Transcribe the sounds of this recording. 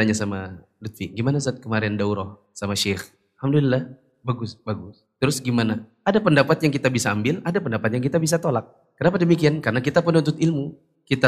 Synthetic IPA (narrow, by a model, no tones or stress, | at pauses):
aɲasama | lut̪fiɡimanas̬at̪̚kəmaɾɛndauɾɔh | samaʃɛx | lhamdulilːah | baɡʊsbaɡʊs | t̪əɾʊsɡimana | adapəndapat̪̚jaŋkit̪abisaːmbɪladapəndapat̪̚jaŋk̬it̪abisat̪olak̚ːənapadəmikiankarnakit̪apənunt̪ʊt̪ɪlmu | kit̪a